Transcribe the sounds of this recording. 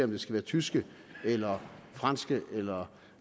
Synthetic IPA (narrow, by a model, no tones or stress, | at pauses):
ɒ̽md̥e̝sɡ̥æʋæːɐt͡sʰysɡ̥ə | elɐfʁɑn̰sɡ̥əʔelɐ